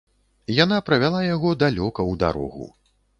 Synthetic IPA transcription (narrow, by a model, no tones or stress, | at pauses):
janapɾɐvʲalˠajaɣɔd̪alʲɔkɐwd̪a̰ɾɔ̰ɣṵ